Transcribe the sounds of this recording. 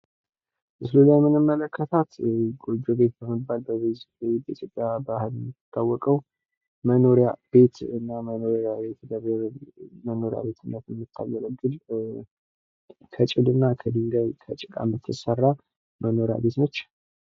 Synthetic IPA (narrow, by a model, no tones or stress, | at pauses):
əsɨlulajɛmɨnɨmːələkʰːət̪ʰat̪ɡod͡ʒobe̞t̪̚bəməbːalbəz | bəit̪ʰjo̞pʼjabahɨlɛmːɨt̪ʰːawːɔkʼəw | məno̞ɾijab̥e̞t̪ɨnːamənoɾabe̞t̪bəβɾməno̞ɾja̰be̞t̪ʰɨnːət̪jɛmːɨt̪ʰːa̰jələɡɨl | t̪ʰət͡ʃʼɪd̪ɨnːat̪ʰəd̪ɨŋɡajt̪ʰət͡ʃʼɪkʼa̰mɨt̪ʰːɨsərːa | məno̞ɾja̰be̞t̪nət͡ʃː